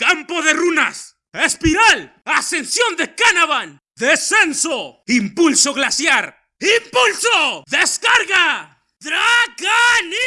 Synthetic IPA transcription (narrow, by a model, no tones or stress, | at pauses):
kampo̞ðe̞runas | espiɾalase̞nsjond̪ekanaβan | ðesensoimpulsoɣlasjaɾ | impulsoðeskaɾɣa | ðɾaɣani